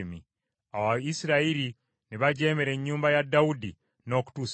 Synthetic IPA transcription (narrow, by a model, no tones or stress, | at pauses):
mḭ | awaisiɾaiɾi | niβaɟe̞ːmeɾe̞ɲːuːmbajadːaudi | no̞ːku̥tuːs